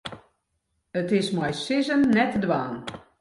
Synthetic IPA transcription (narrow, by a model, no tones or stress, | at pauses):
ətɪsmajsɪzənːɛtdʋaːn